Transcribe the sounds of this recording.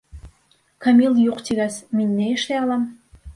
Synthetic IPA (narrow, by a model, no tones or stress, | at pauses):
kɑmiljuqt̪iɣæsminʲːeeʃleɑlɑm